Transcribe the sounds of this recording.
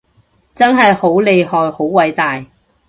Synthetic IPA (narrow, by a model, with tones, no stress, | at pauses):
t͡sɐ˥nɦɐ˨jho˨˥wle˨˧jhɔː˨jho˨˥wwɐ˨˥jt̪aː˨j